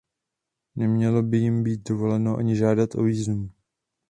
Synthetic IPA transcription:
nɛmɲɛlo̞bɪjɪmbiːt̪̚do̞vo̞lɛno̞ʔa̰ɲɪʒaːdat̪ʔo̞̰viːznum

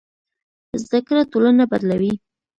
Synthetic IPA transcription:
zd̪akɾatolanabad̪lawi

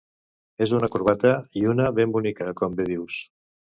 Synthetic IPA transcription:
ezunəkuɾβ̞at̪əiunəβembunikəkɔmbeð̞iws

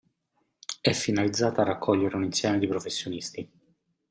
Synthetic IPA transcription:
ɛfːinalid̪zːaːt̪arakʰːɔʎːeɾeuninsjɛːmed̪ipɾofesːjonist̪i

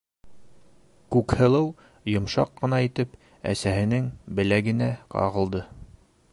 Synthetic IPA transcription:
kʉkhɤ̆lˠɤw | jŏmʃɑ̰qːɤ̆nɑit̪ɘp | æ̰sæhɘ̆nɘŋbɘ̆læɡɘ̆næqɑ̰ʁɤ̆lˠd̪ɤ

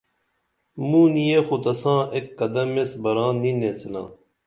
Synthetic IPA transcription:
mũːnijeːxut̪ɐsãːʔekːɐd̪ɐmesbɐɾãːnineːsilã̰ː

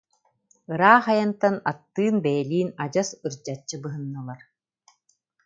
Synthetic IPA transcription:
ɯɾaːχajant̪anat̪ːɯːnbɛjɛliːnad͡ʑasɯɾd͡ʑat͡ɕːɯbɯɦɯnːɯlˠaɾ

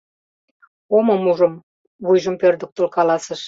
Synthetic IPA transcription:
oməmuʒə̆m | βujʒəmpørd̪ə̆k̚t̪olkɑlɑsəʃ

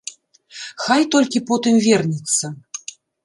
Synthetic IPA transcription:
xajt̪ɔlʲkʲipɔt̪ɨmvʲɛrnʲit̪sːɐ

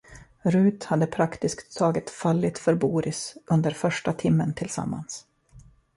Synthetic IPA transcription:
ɾʉ̟ːt̪had̪ːəpʰɾakt̪ɪskt̪ʰːɑːɡɪt̪faɭːɪt̪fœɾbuːɾɪsʔɵnd̪əɾfœʂʈat̪ʰɪmːənt̪ʰɪlsa̰mːa̰ns

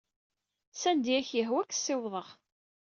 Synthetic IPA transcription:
sænd̪iæçjəɦwækːsːɪwðˤəʁ

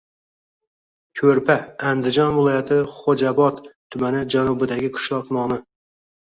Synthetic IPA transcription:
kʲʰɵɾpʰaːnd̪ɪd͡ʒɒnvɪlˠɒjat̪ʰɪχod͡ʒabɒt̪ʰː | ʊmanɪd͡ʒanʊbɪd̪aɡʲɪkʰʊ̥ʃlˠɒqnɒmɪ

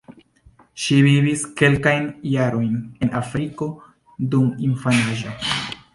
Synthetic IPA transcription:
ʃiviviske̞lkajnjaɾo̞jne̞nʔafɾiko̞ | duminfanaʒo

